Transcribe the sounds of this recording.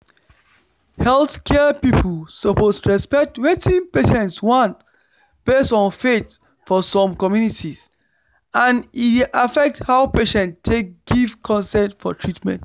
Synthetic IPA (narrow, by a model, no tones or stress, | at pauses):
hɛlˠθkʰɛpipʰl̩sopostɹɛspɛk̚twetĩnpeʃɛ̃ntswɔ̃nt | b̥esɔ̃nfet | fɔsɔ̃mkɔmjunitʰis | ãniafɛk̚thaʊpeʃɛ̃ntʰːek̚ɡ̥ivkʰɔ̃nsɛ̃ntfɔ̰tʰɹitmɛ̰̃nt